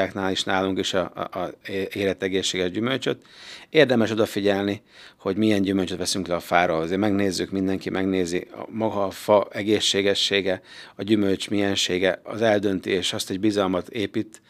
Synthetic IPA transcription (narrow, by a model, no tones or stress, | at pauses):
aːknaːliʃnaːluŋkiʃɒ | eːɾɛt̪ɛɡeːʃːeːɡɛʒɟymølt͡ʃøt̪eːrd̪ɛmɛʃo̞d̪ɒfiɟɛlni | ho̞ɟmijɛɲɟymølt͡ʃøt̪ʋɛsyŋklɛɒfaːɾoːlɒzeːrmɛɡneːzːykmind̪ɛŋkimʔɛɡneːziɒ̰mɒɡɒːfɒɛɡeːʃːeːɡɛʃːeːɡɛɒɟymølt͡ʃmijɛnʃeːɡɛɒ̰zɛld̪ø̞nt̪ieːʃɒst̪ɛɟbizɒlmɒt̪eːpit̪